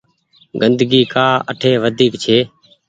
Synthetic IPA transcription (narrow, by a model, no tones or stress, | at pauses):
ɡənd̪ɡiːkaːə̰ʈʰeːʋəd̪ʱiːkt͡ʃʰeː